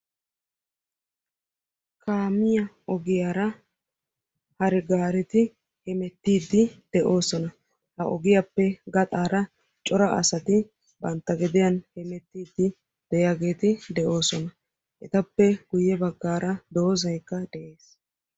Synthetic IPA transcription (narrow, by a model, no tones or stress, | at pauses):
kʰaːmɪjɐ | ɔɡɪjaːɾɐ | hɐɾɛɡaːɾɛt̪ɪ | hɛmɛt̪ːiːd̪ːɪd̪̥ɛʔo̞ːsɔnɐ | hɐʔɔ̰ɡɪjɐpːɛɡɐt̪ʼaːɾɐ | t͡ʃʼɔɾɐʔɐ̰sɐt̪ɪ | bɐnt̪ːɐɡɛd̪ɪjɐnhɛmɛt̪ːiːd̪ːɪ | d̪̥ɛjaɡe̞ːt̪ɪd̪ɛʔo̞ːsɔnɐ | ʔɛt̪ɐpːɛɡ̥ʊjːɛbɐɡːaːɾɐd̪o̞ːzɐjkːɐd̪ɛʔe̞ːs